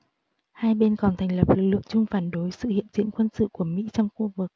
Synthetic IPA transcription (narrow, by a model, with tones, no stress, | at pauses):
haː˧jɓe˧nkɔ˨˩nt̪ʰa˨˩jŋ̟lə˨˩p̚lɨ˨˩k̚lɨ˨˩k̚t͡ɕʊ˧ŋ͡mfaː˧˩nɗo˨˦jsɨ̰˧˨hḭ˧˨ənzḭ˧˨ənkwə˧nsɨ̰˧˨ku˧˩əmḭ˧˥t͡ɕɔ˧wŋ͡mxu˧vɨ˨˩k̚